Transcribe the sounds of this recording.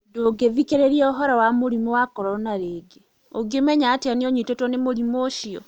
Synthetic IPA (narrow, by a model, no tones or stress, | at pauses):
doɡevikeɾeɾieoɦɔɾawamoɾimowakɔɾɔnaɾeɡe | oɡemɛɲaːtianioɲitotɔnemoɾimoːʃiɔ̰